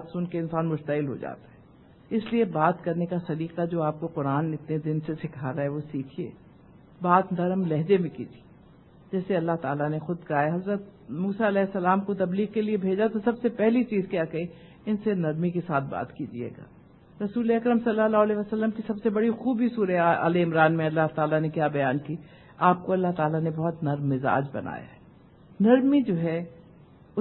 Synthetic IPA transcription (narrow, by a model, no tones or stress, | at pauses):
baːt̪sʊnkeɪnsaːnmʊʃt̪ɐɪlɦo̰d͡ʒa̰ːt̪aɦɛː | ɪsliebaːt̪kɐɾnekasɐɾiːqad͡ʒoːaːp̚koqʊɾaːnːeɪt̪ned̪ɪnsesɪkʰaːɾaɦɛʋosiːkʰiḛː | baːt̪nɐɾəmlɛɦd͡ʒemẽkḭːd͡ʒie | d͡ʒɛːseɐlːaɦt̪aːlanexʊd̪kaɦaeɦɐzɾət̪̚muːsaɐlɛːɪsːɐlaːmkot̪ɐbliːɡkeliebʱeːd͡ʒat̪osɐbsepɛɦlit͡ʃiːzkjaːkɐɦi | ɪnsenɐɾmikesaːt̪̚ʰba̰ːt̪kid͡ʒḭḛːɡa̰ː | ɾɐsuːleɐkɾəmsɐlːalaːɦleʋəsɐlːəmkisɐbsebɐɽixuːbʱisuːɾea̰ːleɪmɾaːnmẽɐlːaɦt̪aːlanekjaːbɐjaːnkiː | aːp̚koɐlːaɦt̪aːlanebɔɦʊt̪nɐɾmːɪza̰ːd͡ʒbɐ̰na̰ːja̰ɦɛː | nɐɾmid͡ʒoːɦɛ | ʊ